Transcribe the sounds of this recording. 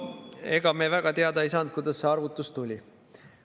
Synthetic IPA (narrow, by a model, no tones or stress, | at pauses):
e̞ɡ̥ɑmevæɡ̥ɑt̪eɑd̪ɑisɑnd̪̚kujd̪̥ɑsːeɑrvut̪ːˑust̪ulʲi